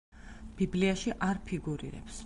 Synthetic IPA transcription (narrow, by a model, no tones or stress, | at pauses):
b̥ibliaʃiʔaɾpʰiɡuɾḭɾɛ̰ps